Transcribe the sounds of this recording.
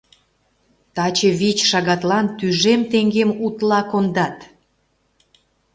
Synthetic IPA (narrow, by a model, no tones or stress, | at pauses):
t̪ɑt͡ɕəβit͡ɕʃɑɣɑt̪lɑnt̪yʒemt̪eŋɡemut̪lɑkond̪ɑt̪